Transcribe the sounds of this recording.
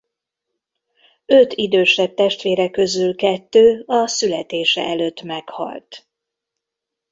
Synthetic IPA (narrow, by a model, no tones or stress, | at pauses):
øt̪id̪øːʃɛb̚t̪ɛʃt̪ʋeːɾɛkø̞zylkɛt̪ːøːɒsylɛt̪eːʃɛ̰ɛløːt̪ːmɛkhɒ̰lt̪